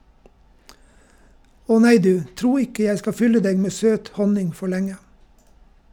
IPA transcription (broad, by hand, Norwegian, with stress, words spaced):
ˈɔ ˈnæɪ ˈdʉː ˈtɾuː ˈɪkə ˈjæɪ ˈskɑ ˈfʏlə ˈdeːɡ ˈmeː ˈsøːt ˈhɔnɪŋ ˈfɔ ˈlɛŋə